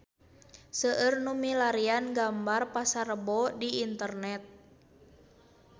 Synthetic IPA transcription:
səʔərnumilaɾianɡambarpasaɾəbɔdiːnt̪ərnɛt̪̚

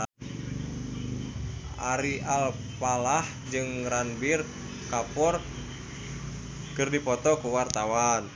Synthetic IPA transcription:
a̰ɾiʔalpalah | d͡ʒɨŋranbir | kapɔr | kɨrdipɔt̪ɔkuwart̪awan

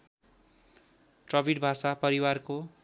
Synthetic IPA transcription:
ʈrʌbʱiɽbʱasapʌɾiwarko

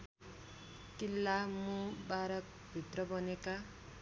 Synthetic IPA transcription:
kilːamũbaɾʌk̚ | bʱit̪rʌbʌneka

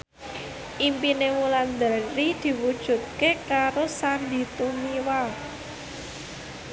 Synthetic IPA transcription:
ʔimpinewuland̪əɾid̪̥i̤wud̥ʒ̥ṳt̪̚kekaɾosand̪i̤t̪umiwal

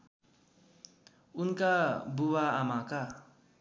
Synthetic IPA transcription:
unkabuwaamaka

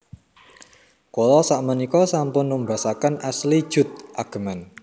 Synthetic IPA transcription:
kolɔsaʔmənikɔsampʊnməmbasakanʔaslid̥ʒ̥ʊ̤t̪̚ʔaɡ̥ə̤man

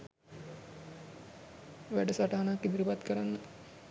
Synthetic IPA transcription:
ʋæɖəsaʈaɦanakːid̪əɾipat̪kəɾanːə

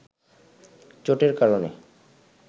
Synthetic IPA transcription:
t͡ɕoʈeɾkaɾonḛ

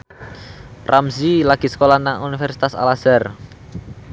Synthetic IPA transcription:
rʔamsilaɡ̥i̤sə̥kolanaŋunifɛrsi̥t̪asa̰lasɛr

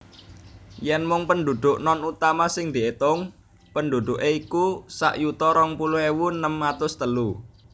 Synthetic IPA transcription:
jɛnmʊŋpənɖ̪ud̪̥ʊʔnɔnut̪amasɪŋd̪̥iet̪ʊŋ | pənd̪ud̪̥ʊʔeikusa̰ʔjut̪ɔɾɔŋpulʊhewunːəmːat̪ʊst̪əlu

